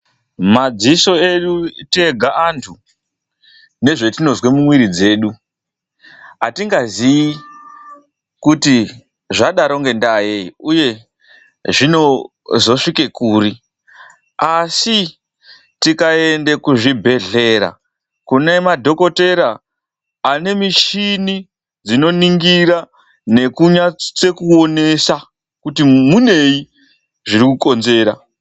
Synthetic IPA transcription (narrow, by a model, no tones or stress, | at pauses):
mad͡ziso̞e̞ɗute̞ɡʱaʔantʰu | ne̞ʐe̞tino̞zwemumwiɾid͡ze̞ːɗu | ɦatiŋɡazii | kuti | ʐaɗaɾo̞ŋɡe̞ndajeiuje̞ | ʐino̞ | zo̞ʂike̞kuːri | asi | tikae̞nde̞kuʐibʱe̞ɮe̞ɾa̰ | kune̞madʱo̞ko̞te̞ɾaː | ne̞miʃini | d͡zino̞niŋɡiɾa | ne̞kuɲat͡se̞kuo̞ne̞sa | kutimune̞i | ʐiɾikuko̞nze̞ːɾa̰